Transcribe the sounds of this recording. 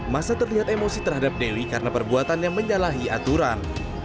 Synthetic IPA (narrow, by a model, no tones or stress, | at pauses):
masat̪ərliɦat̪emosit̪ərɦadap̚dewikaɾənapərbuat̪anɲaməɲalaɦia̰t̪uɾan